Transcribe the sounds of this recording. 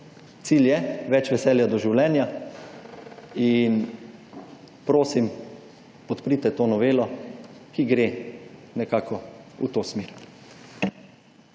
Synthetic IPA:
t̪siːljɛʋɛt͡ʃʋɛsɛːljad̪ɔʒiwlɛːnja | in | pɾoːsim | pɔt̪pɾit̪ɛt̪oːnɔʋeːlɔ | kiɡɾenɛkaːkɔṵt̪oːsmeɾ

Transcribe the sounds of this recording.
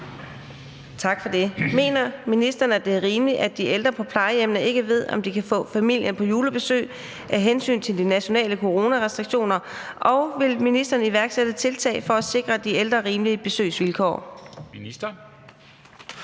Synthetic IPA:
t͡sʰɑ̈ɡ̥fɒ̽d̥e̝me̝̰ːnɐminisd̥ʁɐn̩æd̥e̝æɐʁiːmliʔæd̥iʔeld̥ʁɐpʰɒ̽pʰlɑ̈ɪəemnɐʔe̝ɡ̥əʋe̝ð̞̰ˠɒ̽md̥ikʰæfɔ̰̽ːfæmil̰jʔənpʰɒ̽juːləb̥e̝sø̰ː | ʔæɦensy̰ːnt͡sʰe̝ld̥inæɕo̝nɛ̰ːləkʰo̝ʁo̝ːnæʁɛsd̥ʁiɡ̥ɕo̝̰ːnɐʔɒ̽ʊʋe̝lminisd̥ɐːniʋæɐɡ̥sed̥ət͡sʰe̝lt͡sʰɛ̰ːfɒ̽æse̝ɡ̥ʁɐd̥ield̥ʁɐʁiːmliəb̥e̝sø̰ːsʋilkʰɒ̰ːminisd̥ɐ

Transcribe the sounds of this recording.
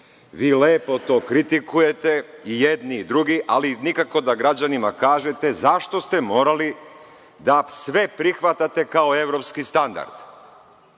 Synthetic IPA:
ʋiːleːpo̞t̪o̞ːkɾit̪ikuje̞t̪e̞ijed̪niːd̪ɾuɡiʔalinikako̞d̪aɡɾad͡ʑanimakaːʒe̞t̪e̞zaʃt̪o̞st̪e̞mo̞ːɾali | d̪asʋe̞pɾixʋat̪at̪e̞kao̞e̞ʋɾo̞pskist̪and̪a̰ɾd̪̥

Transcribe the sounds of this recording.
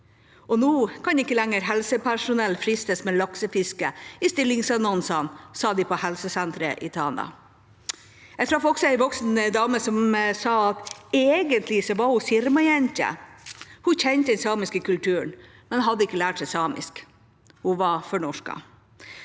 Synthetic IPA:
ɔnuːkʰɑnɪkːəlɛŋːəɾɦɛlsəpʰæʂʊnɛlfɾɪst̪əsmɛlɑksəfɪskəɪst̪ɪlːɪŋsɑnɔnsənsɑːd̪ɪpʰɔhɛlsəsɛnt̪ɾə̰ʔɪ̰t̪ʰɑːnɑ̰ | ɛɡt̪ɾɑfɔksɔæɪʋɔksnd̪ɑːməsɔmsɑːɑt̪eːɡənt̪ʰlɪsɔʋɑɾhʊfɪɾmɑjɛnt̪ə̰ | hʊçɛnt̪əd̪ɛnsɑːmɪskəkʉlt̪ʰʉːəɳ | mɛnhɑd̪ːəɪkːəlæːʈsɛɪsɑːmɪ̰sk | hʊʋɑfɔɳɔʂkɑ̰

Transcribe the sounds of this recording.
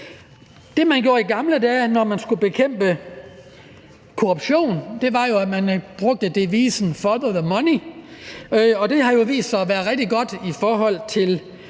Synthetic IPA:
d̥e̝mænɡ̥jo̝ɐ̰iɡ̥ɑ̈mlədɛːnɒmænsɡ̥ub̥e̝kʰem̰b̥ə | kʰo̝ʁub̥ɕo̝̰ːnd̥e̝ʋɑ̈jo̝æmænb̥ʁɔ̽ɡ̥̚d̥əd̥e̝ʋḭːsn̩fɒðəðəmɒni | ɒ̽d̥e̝ɦɑ̈jo̝ʋḭːsd̥sɑ̈ɪɒʋæɐðˠʁɛɡ̥̚d̥iɡ̥ɒ̽d̥ifɒːɦɒ̽l̰t͡sʰe̝l

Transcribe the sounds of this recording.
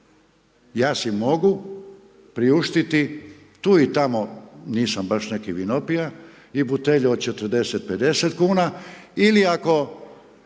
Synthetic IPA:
jaːsimo̞ɡu | pɾiuʃt̪it̪i | t̪uːit̪amoniːsambaʃne̞kiʋinopija | ibut̪eʎuod̪t͡ʃe̞t̪ɾd̪e̞set̪̚pe̞d̪e̞set̪kuːnailiako̞

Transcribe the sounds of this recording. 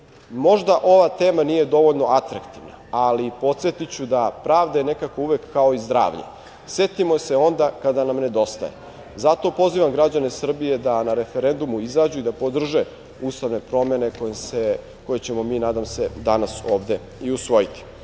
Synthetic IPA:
mo̞ʒd̪aʔo̞ʋat̪e̞ːmaniːje̞d̪o̞ʋo̞ʎno̞at̪ɾakt̪iʋna̰alipo̞t̪set̪it͡ɕud̪apɾaːʋd̪aene̞kakouʋekːao̞izd̪ɾa̰ːʋʎɲḛ | se̞t̪imose̞o̞nd̪akad̪anamne̞d̪o̞st̪a̰jḛ | zat̪o̞po̞ziʋamɡɾad͡ʑane̞sr̩bije̞d̪anaɾe̞feɾe̞nd̪umuizaːd͡ʑuid̪apo̞d̪r̩ʒe̞ | uːst̪aʋne̞pɾo̞me̞ne̞kojese | ko̞jet͡ɕe̞mo̞miːnaːd̪amse̞d̪anaso̞ːʋd̪e̞ | iusʋo̞jit̪i̥

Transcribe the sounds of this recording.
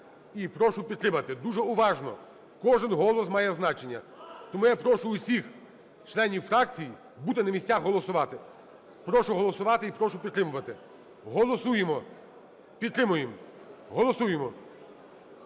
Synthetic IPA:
ipɾɔʃʊpʲid̪̚t̪ɾɪmɐt̪ɪd̪uʒɛʊʋɑʒnɔ̰ | kɔʒɪnɦɔlˠɔsmɑjɛznɑt͡ʃe̞nʲːɐ̰ | t̪ɔmujapɾɔʃʊʊsʲix | t͡ʃlˠɛnʲiwfɾɑkt͡sʲiji | but̪ɪnɐmʲisʲtʲaxɦɔlˠɔsʊʋɑt̪ɪ | pɾɔʃʊɦɔlˠɔsʊʋɑt̪ɪipɾɔʃʊpʲid̪t̪ːɾɪmʊʋɐt̪ɪ | ɦɔlˠɔsujemɔ | pʲid̪̚t̪ɾɪmʊjem | ɦɔlˠɔsujemɔ

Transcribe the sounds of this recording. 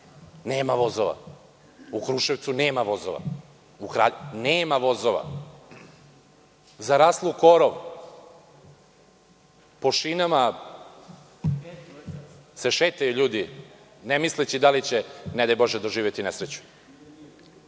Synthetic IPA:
neːmaʋo̞zoʋa̰ | ukɾuːʃeʋt̪suneːmaʋo̞zoʋa̰ | ukɾa̰ːneːmaʋo̞zoʋa̰ | zaɾaːslˠuko̞ɾoʋ | po̞ʃinama | se̞ʃeːt̪ajuʎuːd̪i | nemislet͡ɕid̪alit͡ɕened̪ajbo̞ʒed̪oʒiːʋjet̪inesɾet͡ɕu̥

